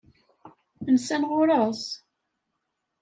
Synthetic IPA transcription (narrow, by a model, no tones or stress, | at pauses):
θənsænʁʊɾˤəs